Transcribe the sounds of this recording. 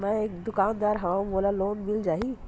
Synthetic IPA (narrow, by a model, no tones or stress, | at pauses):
mɛ̃eːkd̪ʊkãːnd̪aːɾɦãboːlaloːnmɪld͡ʒaːɦi